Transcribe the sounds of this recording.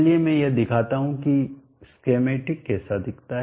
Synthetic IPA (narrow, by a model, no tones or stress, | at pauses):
liemɛ̃jed̪ɪkʰaːt̪aɦũki | skeːmeːʈɪkːɛːsad̪ɪkʰt̪aɦ